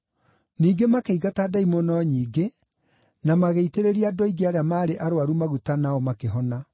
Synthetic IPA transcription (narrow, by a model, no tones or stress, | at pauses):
niːɡemakeiɣataːdaimɔnɔɲiːɡe | namaɣeiteɾeɾiadɔiɡeaɾeamaːɾeʔaɾoaɾumaɣutanaɔmakeɦɔna